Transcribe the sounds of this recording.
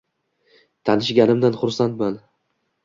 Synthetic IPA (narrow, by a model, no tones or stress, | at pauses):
t̪ʰanɪʃɡʲanɪmd̪anχʊɾsant̪man